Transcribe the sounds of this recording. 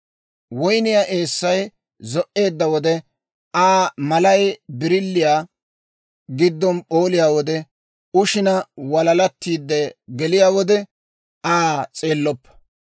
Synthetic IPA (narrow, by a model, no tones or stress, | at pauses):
wɔjnɪjaːʔeːsːɐj | zɔʔe̞ːd̪ːɐwɔd̪ɛ | ʔaːmɐlɐjbɪɾɪlːɪjaː | ɡɪd̪ːɔnpʼo̞ːlɪjaːwɔd̪ɛ | ʊʃɪnɐwɐlɐlɐt̪ːiːd̪ːɛɡɛlɪjaːwɔd̪ɛ | ʔaːt͡sʼe̞ːlːɔpːɐ̥